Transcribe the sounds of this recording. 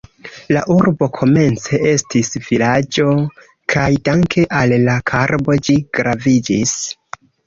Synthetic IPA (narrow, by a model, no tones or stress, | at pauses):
la̰ʔuɾbo̞kʰo̞me̞nt͡se̞e̞stisv̥ilad͡ʒo̞ | kʰajdaŋkʰe̞ʔalːakʰaɾbo̞d͡ʒiɡ̥ɾavid͡ʒis